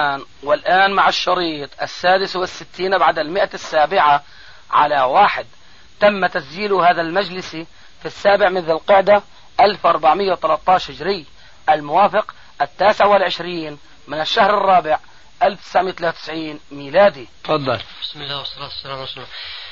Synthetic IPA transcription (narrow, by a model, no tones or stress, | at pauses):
aːnwɪlʔaːnmaʕɪʃːɑɾiːt̪ˤʔa̰sːaːd̪ɪswɪsːɪt̪ːiːnʔabaʕad̪almɪʔasːaːbɪʕa | ʕa̰lawaːħɪd̪ | t̪amːat̪asd͡ʒiːlʊhaːðalmad͡ʒlɪsi | fisːaːbɪʕmɪnðɪlqɪʕd̪a | ʔalfʔɑɾˤbaʕmɪjːawt̪alat̪ˤːɑːʃhɪd͡ʒɾɪjː | ʔalmʊwaːfɪq | ʔat̪ːaːsɪʕawɪlʕɪʃɾiːn | mɪnɪʃːahɾɑrˤːɑːbɪʕ | ʔalft̪ɪsaʕmɪjat̪lawt̪ɪ̥sʕiːnmiːlaːd̪i | fɑd̪ˤːɑlbɪsmɪlːaːwɑsˤːɑlaːt̪sːlamsa